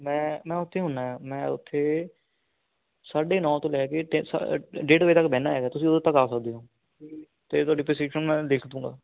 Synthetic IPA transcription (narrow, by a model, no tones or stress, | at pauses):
mɛ̃ːmɛ̃ːʊt̪ʰːeːɦʊnaːɦɛːmɛ̃ːʊ̰t̪ʰːeː | saːɖeːnɔ̃ːt̪õːlɛːkeːʈːsa̰ɖeːʈʋeiːt̪əkbɛːnaːɛːɡaːt̪ʊsĩːʊd̪et̪əkaːsəkd̪eːɦõː | t̪eːt̪ʊwaːɖiːpeseːkʃənmɛ̃ːd̪eːkʰd̪ũːɡa̰ː